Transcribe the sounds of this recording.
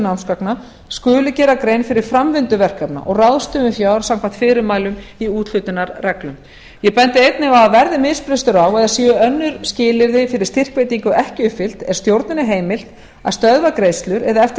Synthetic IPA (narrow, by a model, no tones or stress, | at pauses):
nawnskapna | skʏːlʏcɛːɾakɾejnfɪɾɪɾ̥fɾamvɪnt̪ʏvɛr̥kapna̰ʔɔɣraðst̪ʏmɪfjaːwɾḁsam̥kʰvan̥t̪fɪːɾɪɾmaːjlʏmiuːt̪l̥ʏt̪ɪnaɾrɛklʏm | jɛpɛnt̪ɪejt̪nɪɣawaðvɛɾðɪmɪðspɾɪst̪ʏɾawɛðasiːʏœnːʏɾscɪːlɪɾðɪfɪɾɪ̥st̪ɪr̥kvejt̪iŋkʏʔɛhcɪʏfɪl̥t̪ɛɾ̥st̪jowɾt̪nʏnɪɦeːjmɪl̥t̪ | aðst̪œðvakɾeːjst̪lʏɾɛðaɛft̪